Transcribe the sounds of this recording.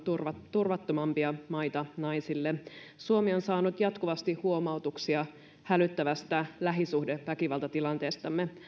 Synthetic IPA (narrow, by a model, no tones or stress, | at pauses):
urɑt̪urʋɑt̪ːomɑmpiɑmɑjt̪ɑnɑjsilːe | suomio̞nsɑːnut̪jɑt̪kuʋɑst̪ihuo̞mɑuwt̪uksiɑ | hælyt̪ːæʋæst̪ælæɦisuhdeʋækiʋɑlt̪ɑt̪ilɑnt̪e̞ːst̪ɑmːe